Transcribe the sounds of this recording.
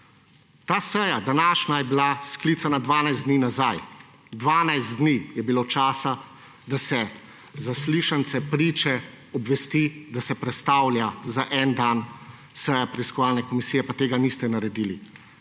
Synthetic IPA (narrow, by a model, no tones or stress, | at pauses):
t̪aːsɛjad̪anaːʃnajɛbilasklit̪sanad̪ʋaːnajzd̪niːnazaj | d̪ʋaːnajzt̪d̪niːjɛbiloːt͡ʃaːsa | d̪asɛ | zasliːʃant̪sɛpɾiːt͡ʃɛ | ɔbʋɛst̪id̪asɛpɾɛt̪st̪aːwljazaʔɛnd̪an | sɛjapɾɛiskɔʋaːlnɛkɔmisiːjɛpat̪eːɡanist̪ɛnaɾɛd̪iːli